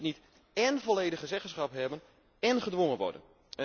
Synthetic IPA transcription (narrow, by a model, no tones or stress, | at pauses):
nit | ɛnvoleːdəχəzɛχənsχapɦɛbən | ɛnχədʋoŋənʋɔ̰rdə̰n